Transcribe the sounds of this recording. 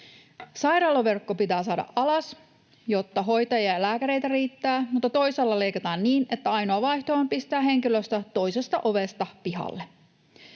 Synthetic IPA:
sɑjɾɑːloʋe̞rkːopit̪æːsɑːdɑ̰ʔʔɑlɑs | jot̪ːɑɦo̞jt̪ɑjɑlæːkæɾe̞jt̪æriːt̪ːæːmut̪ːɑt̪o̞isɑlːɑlejkɑt̪ɑːnniːne̞t̪ːæɑjnoɑʋɑiht̪oɑmpist̪æːɦe̞ŋkiløst̪æt̪o̞isest̪ɑʔoʋest̪ɑpiɦɑ̰lːe

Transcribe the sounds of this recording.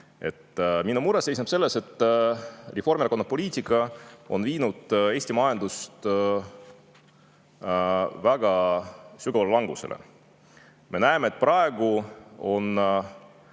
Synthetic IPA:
e̞t̪ːminumuɾese̞jsnɑb̥se̞lːe̞se̞t̪ːˑ | refo̞rmiɾɑkonːɑpo̞lʲiːt̪ikˑːɑo̞̰nviːnud̪̥e̞ːst̪imɑjɑnd̪̥ust̪ | væɡ̥ɑsyɡ̥ɑvɑlelɑŋɡ̥use̞̰lʔḛ | me̞næemet̪̚ːˑprɑe̞ɡ̥uo̞n

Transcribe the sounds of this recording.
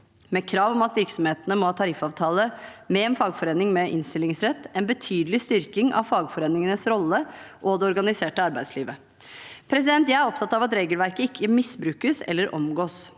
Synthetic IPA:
mɛkʰɾɑːʋɔmɑt̪ʋɪɾksɔmheːt̪ənəmɔhɑːt̪ʰɑɾɪfɑːʋt̪ʰɑːləmɛɛːnfɑːɡfɔɾeːnɪŋmɛʔɪ̰nst̪ɪlɪŋsɾɛt̪ːɛnbət̪ʰyːd̪lɪst̪ʏɾkɪŋʔɑ̰ʋfɑːɡfɔɾeːnɪŋənəsɾɔlːəʔɔd̪ɛɔɾɡɑnɪseːʈəɑɾbæɪd̪sliːʋə | pʰɾɛs̬ɪd̪ɛnt̪jææɾɔpt̪ʰɑt̪ːɑʋɑt̪ɾeːɡəlʋæɾkəɪkʰːəmɪsbɾʉːkəsɛ̰lːəɾʔɔ̰mɡoːs

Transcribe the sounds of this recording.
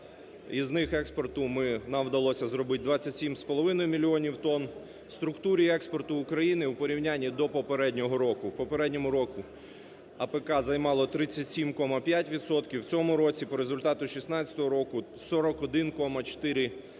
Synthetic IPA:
iznɪxɛkspɔrt̪ʊmɪnɑmwd̪ɐlˠɔsʲɐzɾɔbɪt̚ʲd̪ʋɑt͡sʲːɐtʲsʲimspɔlˠɔʋɪnɔjʊmʲilʲiɔnʲiwt̪ɔn | st̪ɾʊkt̪uɾʲiɛkspɔrt̪ʊːkɾɐjinɪwpɔɾʲiwnʲanʲːid̪ɔpɔpeɾɛdʲnʲɔɦɔɾɔkʊwpɔpeɾɛdʲnʲɔmʊɾɔkʊ | ɐpekɑzɐjmɑlˠɔt̪ɾɪt͡sʲːɐtʲsʲimkɔmɐpʲjatʲʋʲid̪sɔt̪kʲiwt͡sʲɔmʊɾɔt͡sʲipɔɾezʊlʲt̪ɑt̪ʊʃʲisnɑt͡sʲɐ̥t̪ɔɦɔɾɔkʊ | sɔɾɔkɔd̪ɪnkɔmɐt͡ʃt̪ɪɾɪ

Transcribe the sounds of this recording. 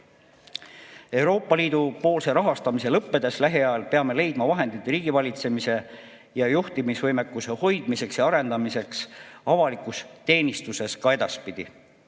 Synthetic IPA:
e̞uwɾo̞ːpːˑɑliːd̪̥upo̞ːlse̞ɾɑɦɑst̪ɑmise̞lɤpˑːe̞d̪̥e̞slæɦeɑɑlpe̞ɑme̞le̞jd̪mɑvɑɦe̞nd̪it̪ːriːɡ̥ivɑlʲit̪se̞mise̞ | jɑjuht̪imisvɤjme̞kːˑuse̞ho̞jd̪̥mise̞ksjɑɑɾe̞nd̪̥ɑmise̞ksɑvɑlikˑust̪e̞ːnist̪use̞skɑe̞d̪ɑspid̪̥i

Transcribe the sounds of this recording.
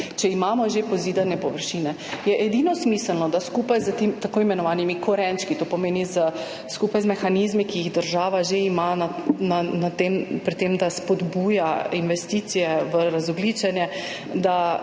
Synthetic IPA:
t͡ʃɛimaːmɔʒepɔziːd̪anɛpɔʋəɾʃiːnɛ | jɛʔɛd̪inɔsmisəlnɔd̪askupajzət̪emt̪akoːimɛnɔʋaːnimikʰɔɾɛnt͡ʃkit̪opɔmeːnizə | skupajzmɛxanizmikijiɣd̪əɾʒaːʋaʒeimanananat̪empɾit̪emd̪aspɔd̪buːjainʋɛst̪iːt̪sijɛʋəɾazɔɡliːt͡ʃɛnjɛ | d̪a

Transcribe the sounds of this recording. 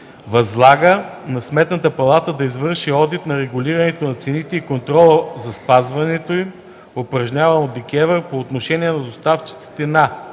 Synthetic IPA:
vɐzlˠaɡənɐsmɛt̪nət̪əpɐlˠat̪əd̪ɐizvɤɾʃiɔd̪it̪nɐɾɛɡʊliɾɐnɛt̪onɐt̪sɛnit̪ɛikont̪ɾɔlˠəzɐspazvɐnɛt̪oim | opɾɐʒnʲavɐnod̪ːɛkʲɛvəɾpoːt̪noʃɛniɛnɐd̪ost̪aft͡ʃi̥t̪si̥t̪ɛna

